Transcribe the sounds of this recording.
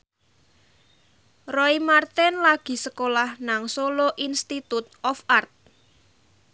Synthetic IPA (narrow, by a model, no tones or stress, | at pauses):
rɔimart̪ɛnlaɡ̥i̤səkolahnaŋsoloʔinst̪it̪ut̪̚ɔfart̪̚